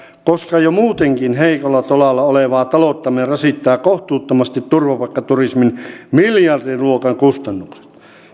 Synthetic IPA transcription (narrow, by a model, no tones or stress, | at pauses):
koskɑjomuːt̪eŋkinɦeikolːɑt̪olɑlːɑoleʋɑːt̪ɑlot̪ːɑmirɑsit̪ːæːkoht̪uːt̪ːomɑst̪it̪t̪urʋɑpɑkːɑt̪urisminmiljɑrdiruokɑŋkust̪ɑnːukse̥t̪